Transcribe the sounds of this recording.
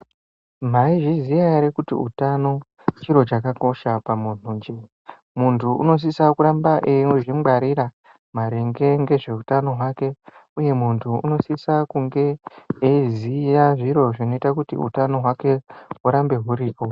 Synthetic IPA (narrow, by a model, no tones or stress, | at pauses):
m̤aiʐizijaɾekutḭṵtano̞ | t͡ʃiɾo̞t͡ʃakako̞ʃapamun̥̤uɲd͡ʒe | muntʰuṵno̞s̬isakuɾambaʔeʐimɡ͡baɾiɾa | maɾeŋɡe̞ŋɡe̞ʐe̞utano̞ɦwake̞uje̞muntʰuṵno̞sisakuŋɡe̞ezijaʐiɾo̞ʐino̞itakutḭṵtano̞ɦwake̞uɾambe̞ɦuɾiːpo